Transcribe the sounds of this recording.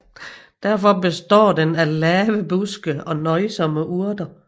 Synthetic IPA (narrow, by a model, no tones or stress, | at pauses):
d̥æɐfɒ̽be̝sd̥ɒ̰ːdenælɛːʋəb̥usɡ̥əɒ̽nɒ̽ɪsɒ̽məʔuɐd̥ɐ